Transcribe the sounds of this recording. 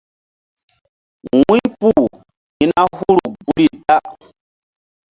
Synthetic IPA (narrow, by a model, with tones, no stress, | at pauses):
wĩ˦pu˦˨ | ɲi˦na˦hu˦ɾu˨ɡu˦ɾi˦˨ta˦